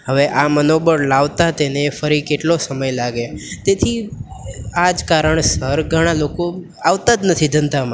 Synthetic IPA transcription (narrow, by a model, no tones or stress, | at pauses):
ɦəʋeʔamənobəɾlaʋt̪at̪enefəɾikeʈlosəməjlaɡet̪et̪ʰi | ad͡ʒkaɾəɳsəɾɡʱəɽ̃aloko | aʋt̪ad͡ʒ̪nət̪ʰid̪ʱənt̪am